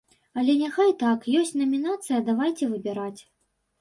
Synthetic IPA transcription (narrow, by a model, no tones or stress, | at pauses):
ɐlʲɛnʲaxajt̪akjɔsʲtʲnɐmʲinat̪sɨjɐd̪avajt͡sʲɛvɨbʲɛɾat͡sʲ